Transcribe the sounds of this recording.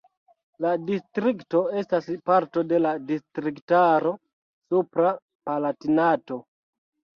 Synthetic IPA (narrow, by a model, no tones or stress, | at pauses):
ladistɾikto̞e̞staspaɾto̞de̞ladistɾiktaɾo̞ | supɾa | palatinato̞